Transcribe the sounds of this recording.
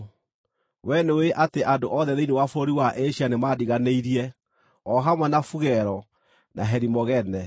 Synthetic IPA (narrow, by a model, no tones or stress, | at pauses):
wɛneweʔateʔandoʔɔðɛðeinewafoɾiwaʔeɕianemadiɣaneiɾiɛ | ɔɦamwɛnafuɣɛɾɔ | na̰ɦɛɾimɔɣɛnɛ